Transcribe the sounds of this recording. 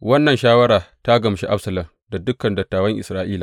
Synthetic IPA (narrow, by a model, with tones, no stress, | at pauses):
wɐ˦nːɐ˨nʃaː˦wɐ˦ɽaː˨ta˦ɡɐ˨mʃi˦ʔa˦bsɐ˨lɐ˨m | da˨dʊ˦kːɐ˨ndɐ˨tːaː˨wɐ˦ŋʔɪ˨sɾaː˦ʔiː˦laː˨